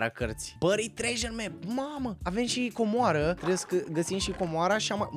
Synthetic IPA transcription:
ɾa̰kərt̪sʲpəɾit̪ɾeʒenmemaməave̞mʃiko̞moaɾət̪ɾebjeskəɡəsimʃiko̞moaɾaʃama

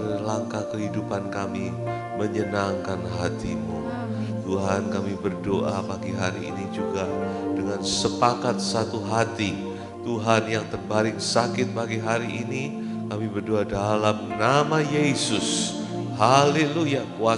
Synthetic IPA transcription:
rlaŋkakəɦidupankami | məɲənaŋkanɦat̪ḭmu | t̪uɦankamibərdoʔa̰paɡiɦaɾḭːnid͡ʒuɡadəŋansəpakat̪̚sat̪uɦat̪i | t̪uɦanjaŋt̪ərbaɾɪŋsakɪt̪̚paɡiɦaɾiʔini | kamibərdoadalamnamajesʊs | haleluja | wa

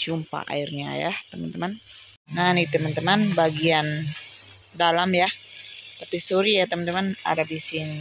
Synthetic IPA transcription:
d͡ʒumpa̰ʔa̰irɲa̰ja̰t̪əmant̪əman | nanit̪əmant̪əmanbaɡian | dalamja | t̪apisuɾijat̪əmant̪əmana̰dabisɪŋ

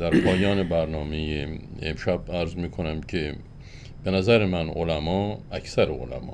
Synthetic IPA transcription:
d̪̥æɾpʰɒːjɒːnebæɾnɒːmejeḛmʃæbæɾzmiːkʰonæmcʰe | b̥enæzæɾemæno̰læmɒːæcsæɾeo̰læ̰mɒ̰ː

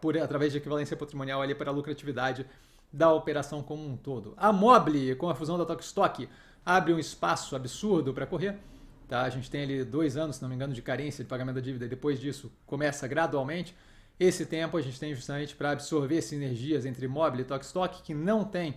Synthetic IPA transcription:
poɾat̪ɾavɛzd͡ʒɪekivalẽsjɐpat̪ɾimõniawɐlipaɾɐlukɾat͡ʃivid̪ad͡ʒɪ | d̪ɐopeɾasɐ̃w̃kõmũt̪od̪ʊ̰ɐmɔblɪkõw̃ɐfuzɐ̃w̃d̪ɐt̪ɔkst̪ɔkɪ | abɾɪũɪspasʊabɪsuɾd̪ʊpɾɐkoɦeɾ | t̪aaʒẽnt͡ʃɪ̥t̪ẽj̃alid̪ojzɐ̃nʊsːɪnɐ̃mẽɡɐ̃nʊd͡ʒɪkaɾẽsjɐd͡ʒɪpaɡamẽnt̪ʊdɐd͡ʒivid̪ɐɪd̪epojzd͡ʒisʊkõmɛsɐɡɾad̪uawmẽnt͡ʃɪ̥ | esɪt̪ẽpʊɐʒẽnt͡ʃɪ̥t̪ẽj̃ʒu̥st̪amẽnt͡ʃɪ̥pɾɐːbɪsoɾveɾsɪeneɾʒiɐzẽnt̪ɾɪmɔblɪt̪ɔkɪ̥st̪ɔkɪ̥kɪnɐ̃w̃t̪ẽj̃

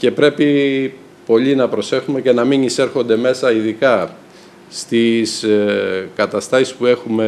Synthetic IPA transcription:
ce̞pɾe̞pi | po̞ʎinɐpɾo̞se̞xume̞ce̞nɐminise̞ɾxo̞nd̪e̞me̞sɐiðikɐ | st̪is | kɐt̪ɐst̪ɐsi̥spue̞xume̞

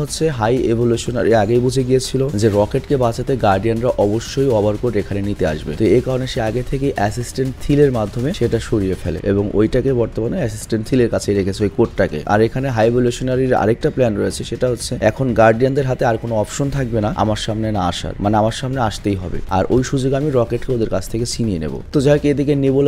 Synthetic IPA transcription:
ɦotːʰeɦajeboluʃona̰ɾeaɡejbud͡ʑʱeɡiet͡ɕʰilod͡ʑeɾɔkeʈkebat͡ɕat̪eɡaɾɖianɾaʔɔboʃːojɔbʱaɾkoɾʈekʰanenit̪ea̰ʃbḛt̪oekaɾoneʃeaɡet̪ʰekejʔɛsisʈeɳʈ̚t̪ʰileɾmad̪ʱːomeʃeʈaʃoɾiefelḛʔḛboŋo̰jʈakebɔɾt̪omanoɛsisʈeɳʈt̪ʰileɾkat͡ɕʰeɾekʰet͡ɕʰeojkoʈʈakḛʔa̰ɾekʰaneɦajeboluʃonaɾiɾa̰ɾek̚ʈaplɛnɾoet͡ɕʰeʃeʈaɦotːɕʰeɛkʰonɡaɾɖiand̪eɾɦat̪eaɾkonoɔpʃont̪ʰak̚benaa̰maɾʃamnenaaʃa̰ɾmaneamaɾʃamneaʃt̪ejɦɔbḛa̰ɾʔojʃud͡ʑoɡamiɾɔkeʈkeod̪eɾkat͡ɕʰt̪ʰeket͡ɕinienḛbo̰t̪od͡ʑaɦekeed̪ikenibol

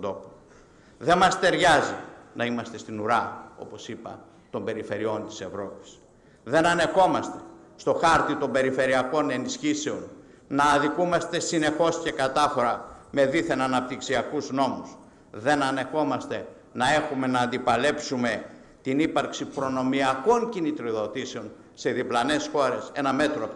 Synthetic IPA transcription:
d̪o̞po | ðe̞mɐst̪e̞ɾʝɐzinɐimɐst̪e̞st̪inuɾɐo̞̰po̞sipɐ̰ | t̪o̞mbe̞ɾife̞ɾio̞nt̪i̥se̞vɾo̞pi̥s | ðe̞nɐne̞xo̞mɐst̪e̞̥ | st̪o̞xɐɾt̪it̪o̞mbe̞ɾife̞ɾiɐko̞ne̞nisçise̞o̞nː | ɐːðikumɐst̪e̞sine̞xo̞sce̞kɐt̪ɐfo̞ɾɐme̞ðiθe̞nɐnɐp̚t̪iksiɐkuzno̞mus | ðe̞nɐne̞xo̞mɐst̪e̞ | nɐe̞xume̞nɐːnd̪ipɐle̞psume̞ | t̪inipɐɾksipɾo̞no̞miɐko̞ɲcinit̪ɾoðo̞t̪ise̞o̞n | se̞ðiplɐne̞sxo̞ɾe̞se̞nɐme̞t̪ɾo

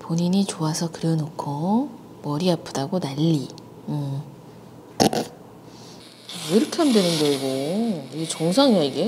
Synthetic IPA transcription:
poɲiɲit͡ɕoasʰʌkɯɾʌnokʰo | mʌɾiapʰɯ̥daɡonaʎːi | ɯ | ejɾɯkʰeandwenɯnɡʌiɡoit͡ɕoŋsʰaŋaiɡe̞

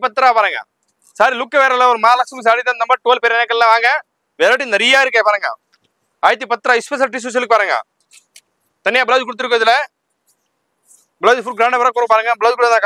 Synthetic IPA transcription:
pɐt̪ːɾaːpaːɾɯŋɡɐ̰ | saːɾilʊkːɐʋeːɾɐlːɔɾɯmaːlɐksɐms̬aːɽɪit̪ːaːnɐmːbɐʈoːlpɛɾɐɛnɐkːɐllãʋaːŋɡɐ | ʋeːɾaːʈ̬ːinɐɾɪjaːɪɾɯkːẽːpaːɾɯːŋɡɐ̰ | ɐːɾt̪ːipɐt̪ːɯɾaːɪspɛs̬ɐlʈis̬ɪs̬ɪlːɯkːɯpaːɾɯŋɡɐ̰ | t̪ɐnːɪjaːbɪlaːd͡ʒkɔɽɯt̪ːɯɾɯkːɾɐðɪlɐ | bɪlaːd͡ʒfʊɡɾaːɳɖɐpɐɾaːkɔɾɐ̃paːɾɯŋɡɐbɪlaːd͡ʒkɔɽɐt̪ːãː

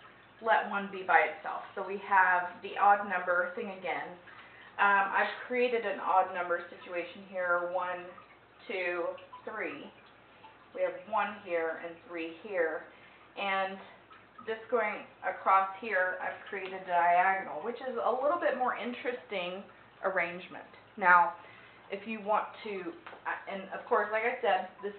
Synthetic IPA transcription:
lɛʔ̚wʌ̃nbibaɪɨtsɛ̰lˠfsoʊwiəvðiʔɔdⁿnʌ̃mbə˞θɪ̃ŋɨɡɛ̃nʔʌ̃ʔa̰ɪv̥kʰɹ̥ieɪɾɨɾɨ̃nɔ̰dⁿnʌ̃mbə˞sɪt͡ʃʉeɪʃn̩ɦiɹwʌ̃n | tʰʉθɹi | wiɨvwʌ̃nɦiɹɨ̰̃nθɹihiɹ | ʔɨ̃n | ðɪsɡ̥oʊɪ̃ŋʔɨkʰɹ̥ɔshiɹa̰ɪv̥kʰɹ̥ieɪɾɨd̚daɪæɡnl̩ˠwɨt͡ʃɨzəlɪɾl̩ˠbɪt̚mɔɹʔɪ̃nt͡ʃɹ̥ɨstɪ̃ŋ | ʔə˞ẽɪ̃nd͡ʒmɨ̰̃nt | naʊ | ʔɨfjɨwɑ̃ntʰɨ | ɨ̃nʌv̥kʰɔɹslaɪkaɪsɛd̪̚ðɪs

